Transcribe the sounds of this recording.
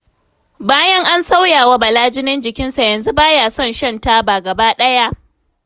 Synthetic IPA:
baː˦jɐ˦ŋʔa˦nsa˦wjaː˨wa˦bɐ˨laː˦d͡ʒɪ˦nɪ˦nd͡ʒɪ˨kʲɪ˦nsa˨jɐ˨nzu˦baː˦jaː˨sɔ˦˨nʃɐ˦˨nta˦baː˨ɡɐ˨baː˦ɗɐ˦ja˦ʔ

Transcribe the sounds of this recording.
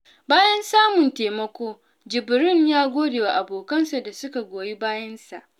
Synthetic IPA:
baː˦jɐ˦nsaː˦mʊ˨nteː˨mɐ˦kʷoː˦ | d͡ʒɪ˨bɪ˨ɾɪ˦ɲjaː˦ɡʷoː˦deː˨wa˨ʔa˨boː˨kɐ˦nsa˨da˨sʊ˦ka˨ɡʷoː˨ji˦baː˦jɐ˦nsa˨ʔ

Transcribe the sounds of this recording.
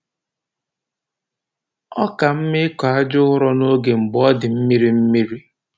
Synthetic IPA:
ɔ˦ka˨m̩˦mɪ˦ka˦d͡ʒʊ˦ʊ˦ɾɔ˦no˦ɡe˨m̩˨bɔ˦dɪ˨m̩˦mi˦ɾi˦m̩˦mi˦ɾi˦

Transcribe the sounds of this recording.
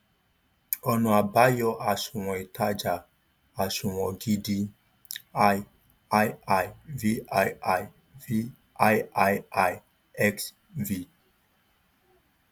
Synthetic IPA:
ɔ˨nɔ̃˨a˨ba˦jɔ˦ʔa˨sũ˨w̃ɔ̃˨e˨ta˦d͡ʒa˨ | a˨sũ˨wɔ̃˨ɡi˦di˦ | a˦j | a˦ja˨jvi˦a˦˨ja˦˨j | vi˦ | a˦ja˦ja˦j | ɛ˦ks | vi˦

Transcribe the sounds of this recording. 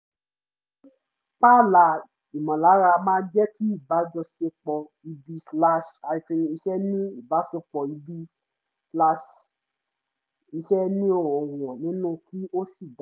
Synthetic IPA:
pa˦˨la˨ | i˨mɔ̃˨la˨˦ɾa˧mãː˦d͡ʒɛ˦ki˦i˦˨ba˨˦d͡ʒɔ˧se˧k͡pɔ˧ | i˧bi˦sla˦ʃa˧i˧fĩ˧i˧ʃɛ˦nĩ˦i˦˨ba˨˦se˧k͡pɔ˧i˧bi˦ | sla˦ʃ | i˧ʃɛ˦nĩ˦o˦˨ɔ˨wɔ˨nĩ˨˦nũ˦˨kʰi˦o˦si˦˨da˨˦

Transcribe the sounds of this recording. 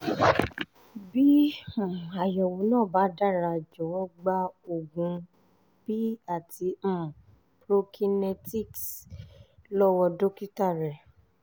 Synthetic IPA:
bĩ˦˨ | a˨jɔ˨wo˨˦nãː˦˨ba˨˦da˦˨ɾa˧d͡ʒɔ˨˦wɔ˦ɡ͡ba˦o˨ɡũ˧˦ | b̥i˦a˦˨tĩ˧˨ | pɾo˧kʰi˧nɛ˧ti˦˨ks | lɔ˦wɔ˧do˦ki˦ta˦˨ɾɛ˨

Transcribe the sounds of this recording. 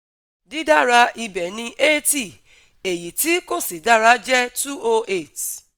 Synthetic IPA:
di˦da˦˨ɾa˧i˧bɛ˨nĩ˧ʔe˦ti˦˨ | e˨ji˨ti˨˦ko˦˨si˨da˦ɾa˧˦d͡ʒɛ˦tu˦o˧e˦˨t

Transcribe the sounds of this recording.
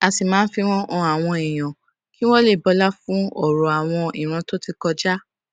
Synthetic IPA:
a˧si˨mãː˨˦n̩˦fi˧w̃ɔ̃˦ʔɔ̃˧a˨w̃ɔ̃˧i˨j̃ã˨ | ki˦w̃ɔ̃˦le˦˨bɔ˧la˦fũ˦ɔ˦˨ɾɔ˨a˨w̃ɔ̃˧i˨ɾ̃ã˧to˦ti˧kɔ˧d͡ʒa˦

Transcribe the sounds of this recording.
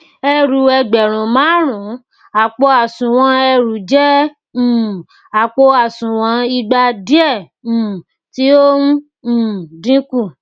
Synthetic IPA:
ɛ˧ɾu˨ɛ˧˨ɡ͡bɛ˨ɾ̃ũ˨mãː˨˦ɾ̃ũ˨˦ | a˨k͡po˧a˨sũ˨w̃ɔ̃˧ɛ˧ɾu˨˦d͡ʒɛ̃˦˨ | a˨k͡po˧a˨sũ˨w̃ɔ̃˧˦i˧ɡ͡ba˧di˦ɛ̃˦˨ | ti˦o˦ũ˦˨ | dĩ˦ku˦˨

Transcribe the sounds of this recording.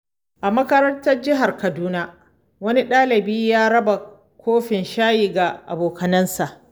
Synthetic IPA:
ʔa˨mɐ˦kɐ˦ɾɐ˦ntɐ˦rd͡ʒɪ˦ɦa˨rkɐ˨duː˦na˦ | wɐ˦ni˦ɗaː˦lɪ˨biː˦jaː˦ɽɐ˦ba˨ | kʷoː˦ɸɪ˨nʃaː˦jiː˨ɡa˨ʔa̰˨boː˨kɐ˨nɐ˦nsa˨ʔ

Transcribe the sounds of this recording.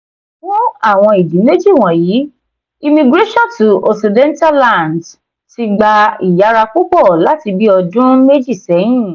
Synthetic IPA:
wɔ̃˦a˦˨w̃ɔ̃˧i˨dĩ˨˦me˦d͡ʒi˦˨w̃ɔ̃˨jiː˨˦ | i˧mĩ˧ɡɾe˦ʃɔ̃˦tu˨o˨si˧dɛ̃˦n˦ta˦la˦˨nd | ti˧ɡ͡ba˧i˨ja˨˦ɾa˧ku˦k͡pɔ˦˨la˨˦ti˧bi˦ɔ˧dũ˦me˦d͡ʒi˦˨sɛ˨˦j̃ĩ˦˨

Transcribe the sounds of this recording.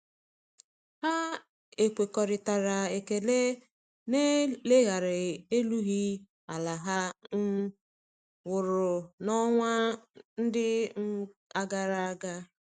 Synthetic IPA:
ha˦ | e˨kʷe˨kɔ˨ɾɪ˨ta˨ɾa˨e˨ke˨le˦ | ne˦le˦ɣa˨ɾɪ˨e˦lu˦ɣi˦ | a˨la˨ɦa˦ | wʊ˨ɾʊ˨nɔ˦ŋʷa˦n̩˦dɪ˦ | a˦ɡa˨ɾa˨˦ɡa˦

